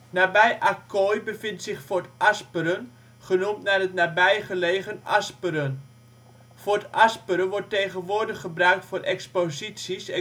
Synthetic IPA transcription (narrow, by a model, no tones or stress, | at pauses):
nabɛjʔakʰojbəfɪntsɪxfotaspəɾən | χənumtnaətnabɛjχəleːɣənaspəɾən | fotʔaspəɾəʋɔrtejɣənʋʊːrdəχəbrœɥk̚tfoɾʔɛkspozisisɛ